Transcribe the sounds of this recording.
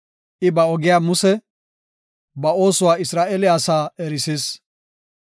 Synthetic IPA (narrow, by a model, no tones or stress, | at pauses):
ʔɪbɐɔɡɪjaːmʊsɛ | bɐo̞ːsʊwaːɪsɾaːʔɛlɪasaːɛɾɪsis